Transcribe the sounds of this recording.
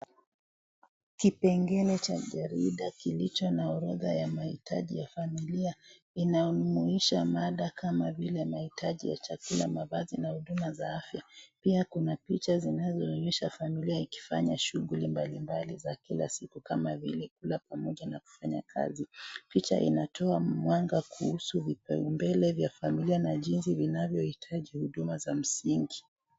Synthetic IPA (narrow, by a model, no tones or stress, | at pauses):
kipɛŋɡɛlɛt͡ʃaʄaɾiɗakilit͡ʃɔnaɔɾɔða̰jamahitʰa̰ʄijafamilia | inajɔnumuiʃamaɗakamavilɛmahitʰaʄḭja̰t͡ʃakula̰maβazinahuɗumazaafjapiakunapit͡ʃazinazɔnuiʃafamiliaiki̥fa̰ɲaʃuɣulimbalimbalizakila̰sikukamavḭlɛkulapamɔʄanaku̥faɲa̰kʰa̰zipit͡ʃa̰ʔḭnatʰɔamwaŋɡakuhusuvipɛ̰umbɛlɛvjafamilianaʄinsivinavjɔhitʰaʄihuɗumazam̩siŋɡi